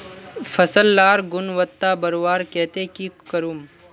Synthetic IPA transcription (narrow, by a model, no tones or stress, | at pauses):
fʰɐsəlːaːɾɡʊnʋət̪ːabɐɾʋaːɾkɛːt̪ekikəɾuːm